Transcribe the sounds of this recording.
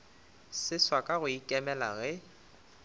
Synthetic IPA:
sɪswakʼaɣʊikʼɛmɛla̰ɣɛ

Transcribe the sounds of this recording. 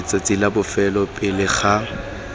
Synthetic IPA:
t͡sʼat͡sʼilabʊfɛlɔpʼɪlɪχa

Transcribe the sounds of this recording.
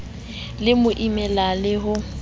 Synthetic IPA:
lɪmʊʔimɛlalɪɦʊ

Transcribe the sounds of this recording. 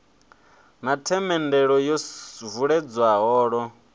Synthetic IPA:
natʰɛmɛndɛɺɔjɔvuɺɛd͡zwaɦɔːɺɔ

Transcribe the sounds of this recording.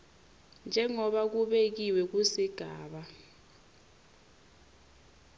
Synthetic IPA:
nd͡ʒʱɛŋɔɓak̬uɓek̬iwɛk̬usiɡ̥ʱaːɓa

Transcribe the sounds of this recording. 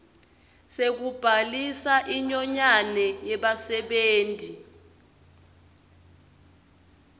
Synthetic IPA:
sek̬ub̥ʱalisaʔiɲɔɲanɛjɛɓasɛɓeːntʼi

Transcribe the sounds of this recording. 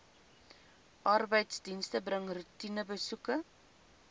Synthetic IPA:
ʔɐrbəjtsdinstəbrəŋrutinəbəsukə

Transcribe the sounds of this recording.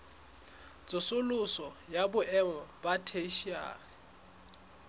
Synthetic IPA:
t͡sʼʊsʊlʊsɔ | jabʊʔɛŋɔbatʰeʃia̰ːɣɪ

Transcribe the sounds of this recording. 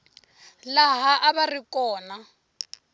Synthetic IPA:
laɦaʔaβarikɔːna

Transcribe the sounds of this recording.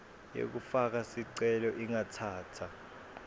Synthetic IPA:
jḛk̬ufak̬asiǀɛlɔʔiŋatʰaːtʰa

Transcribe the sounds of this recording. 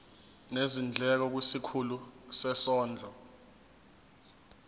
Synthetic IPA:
nezind͡ɮʱɛk̬ɔk̬wisikʰulusɛsɔːnd͡ɮʱɔ

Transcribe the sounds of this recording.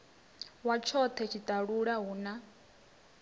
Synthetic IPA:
wat͡ʃʰɔt̪ʰɛt͡ʃʰit̪ʼaɺuɺaɦuːna

